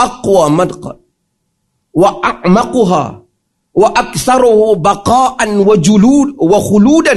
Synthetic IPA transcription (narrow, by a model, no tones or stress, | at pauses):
ʔɑqwaːmad̪qɑ̰ | waʔaʕmɑqʊɦa̰ː | waʔakθɑɾˤʊhʊbɑqɑːʔanwad͡ʒʊluːwaxʊluːd̪a